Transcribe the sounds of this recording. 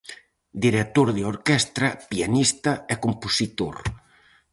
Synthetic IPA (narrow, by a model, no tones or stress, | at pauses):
d̪iɾek̚t̪oɾðeoɾkɛst̪ɾɐpianist̪ɐɛkomposit̪oɾ